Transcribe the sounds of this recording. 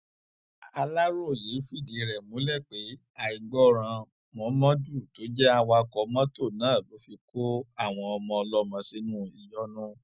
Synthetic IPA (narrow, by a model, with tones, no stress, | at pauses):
a˧la˦ɾo˦˨je˨˦fu˦i˦˨di˨ɾɛ˨mũ˨˦lɛ˦˨k͡pe˨˦ | a˧i˨ɡ͡bɔ˦ɾ̃ã˧ | mɔ̃˨˦mã˦du˦˨to˨˦d͡ʒɛ˦a˧wa˧kɔ˧˦mã˦to˦˨nãː˨˦˨lo˨˦fi˧ko˦a˦˨w̃ɔ̃˧ɔ˧mɔ̃˧ɔ˧lɔ˧˦mã˧si˨˦nũ˦i˧jɔ˦nũ˦